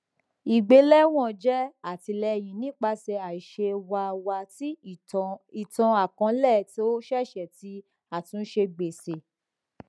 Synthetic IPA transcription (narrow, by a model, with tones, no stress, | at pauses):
i˨ɡ͡be˧˦lɛ˦w̃ɔ̃˦˨d͡ʒɛ˦a˦˨ti˧lɛ˧˨jĩ˨nĩ˨˦k͡pa˧˦sɛ˧a˨i˨ʃe˧wa˧˨wa˧ti˦ | i˨tã˧a˨kã˧lɛ˦˨ti˦o˦ʃɛ˦˨ʃɛ˨ti˧˦ | a˦˨tũ˧n̩˦ʃe˧ɡ͡be˨se˨